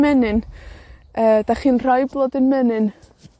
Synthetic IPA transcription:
mɛnɨn | əːd̥aχiːnr̥ajblˠoːdɪnmɛnɨn

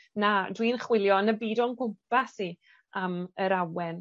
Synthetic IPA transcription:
nadwinχwɪlˠjɔnəbiːdɔnɡʊmpasi | aməɾawɛn

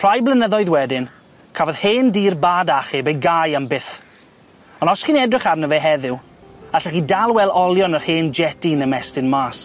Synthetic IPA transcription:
pʰr̥ajblˠənəðɔɨðwɛdɪn | kʰavɔð̥heːndiːrbaːdaχibejɡajambɪθ | ɔnɔsχinɛdrɪχarnəvɛɦɛðɪw | aɬɛχidalˠwɛlˠɔlˠjɔnər̥heːnd͡ʒɛtinəmɛstɪnmaːs

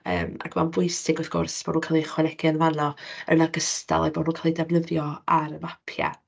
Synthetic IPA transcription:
ə̰ːma̰kʰmanvʊɨsɪɡʊθɡ̥ʊ̰rsb̥oːdnukʰalˠiχwɛnɛɡɪənvanɔə̰naɡəsta̰lˠajboːdnuːkʰalˠidavnəðjɔaɾəmapʰja̰

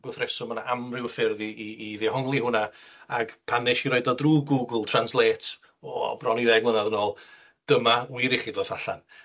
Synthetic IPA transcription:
ɡ̥ʊθrɛsʊmənaʔamrɪwəfɪrðiːðehɔŋlˠihʊnaaɡ̥pʰanɪʃiɾɔjdɔdruːɡuɡəlˠtʰranslˠeːtʰ | ɔbrɔniðɛɡwənaðənoːlˠ | d̥əmawiːðiχidɔsaɬa̰n

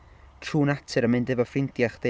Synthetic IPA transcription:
tʰruːnatʰɨɾəmɨndɨvɔfrɪntjaχd̥e

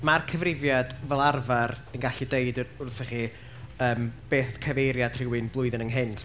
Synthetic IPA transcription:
markʰəvrɪvjad̥vɛlˠarvaɾənɡaɬideɨdʊrθɛχi | əːmb̥eːθkʰəvejɾjad̥r̥ɪwɨnblˠʊɨðɪnəŋɦɪntʰ

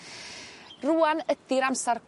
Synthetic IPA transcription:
ruanəd̥ɪɾamsark

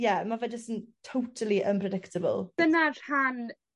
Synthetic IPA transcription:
jɛmavɛdəsɪntʰːowtʰəlˠiʔənpʰrɛdɪktʰəbə̰lˠd̥ənar̥han

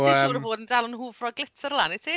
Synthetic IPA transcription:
əɾəvoːdən̩dalˠənɦuːvrɔɡlɪtʰəɾlˠanitʰiː

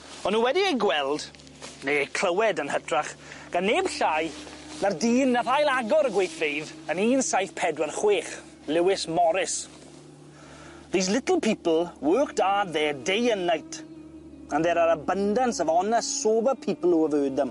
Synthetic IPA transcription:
ɔnːuːwɛdiejɡwɛlˠd | nejejkʰl̥əwɛdənhətraχ | ɡ̥anːeːbɬajnardiːnːaθajlˠaɡɔɾəɡwejθvejðəniːnsajθpʰɛdwɛrχweːχ | lɪwɪsmɔɾɪs | ðiːs̬lɪtl̩ˠpʰiːpl̩ˠwøːktadðɛːdejənajtʰ | anðɛɾaɾəbəndansəvɔnɛssoːbəpʰiːpl̩ˠuəvøːdəm

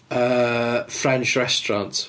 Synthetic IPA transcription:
əfɹɛ̃nt͡ʃɹɛstɹɑ̃nt

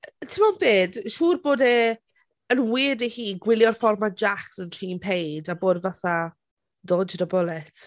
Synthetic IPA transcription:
tʰɪmɔnbeːd̥ʃuːrboːdeː | ənwiːdehiːɡwɪlˠjɔrfɔrmand͡ʒaksənɬʰiːmpʰejdaboːdvaθa | doːdədabɔlˠɛtʰ

